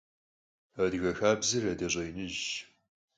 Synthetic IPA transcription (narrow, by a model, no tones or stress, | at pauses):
ɐdɣɐxaːbzɨrɐdɐɕʷʼejnɨʒ